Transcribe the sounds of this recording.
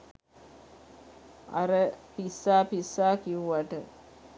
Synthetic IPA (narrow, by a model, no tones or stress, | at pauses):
a̰ɾəpisːaːpisːaːkiuʋaʈə